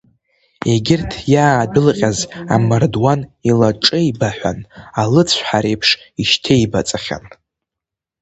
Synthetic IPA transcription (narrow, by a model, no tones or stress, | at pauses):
e̞ɡʲɪrtʰjaːdɨlqʲʼazamardwanilaʈ͡ʂʼɨibaħʷa̰nalɨt͡sʷʰħaɾe̞jpʰʂ | iʃtʰejbat͡sʼaχʲa̰n